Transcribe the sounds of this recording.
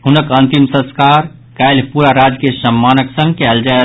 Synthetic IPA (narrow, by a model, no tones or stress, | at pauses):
ɦʊnəkə̃nt̪imsə̃skaːɾ | kajlpuːɾaɾaːd͡ʒkesəmːaːnəksə̃ŋɡ̚kɛːld͡ʒae